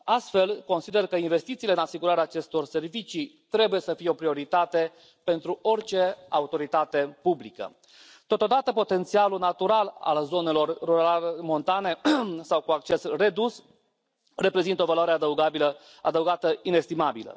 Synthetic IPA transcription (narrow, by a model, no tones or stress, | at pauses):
ast̪fe̞lko̞nsid̪e̞rkəinve̞st̪it̪siːleɨnasiɡuɾaɾeaːt͡ʃe̞st̪o̞rse̞rvit͡ʃit̪ɾe̞buje̞səfijeo̞pɾio̞ɾit̪at̪e̞ | pe̞nt̪ɾuo̞rt͡ʃe̞aut̪o̞ɾit̪at̪e̞publikə̰ | t̪o̞t̪o̞d̪at̪əpo̞t̪e̞nt̪sialunat̪uɾala̰lzo̞ne̞lo̞rːuɾamo̞nt̪ane̞sawkuak̚t͡ʃe̞sre̞d̪us | re̞pɾe̞zint̪əovaloaɾead̪əuɡabilə | ad̪əuwɡat̪əine̞st̪imabilə̰